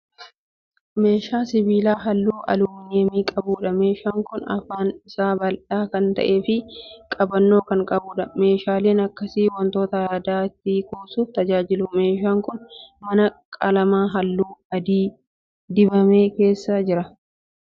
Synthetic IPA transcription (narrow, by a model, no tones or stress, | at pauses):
me̞ːʃaːsɪbiːlaːɦɐlːuːʔɐ̰luːnɛmiːkʼɐbuːᶑɐme̞ːʃaːŋkʊnɐ̰faːnɪsaːbɐlᶑaːkɐnt̪ɐ̰ʔe̞ːfɪkʼɐbɐnːo̞ːkɐŋkʼɐbuːᶑɐme̞ːʃaːle̞ːnɐkːɐsiːwɔnt̪o̞ːt̪ɐjaːd̪aːt̪ːikuːsuːft̪ɐd͡ʒaːd͡ʒɪlʊme̞ːʃaːŋkʊnmɐnɐkʼɐlɐmaːɦɐlːuːɐd̪iː | d̪ɪbɐme̞ːke̞ːsːɐd͡ʒɪɾɐ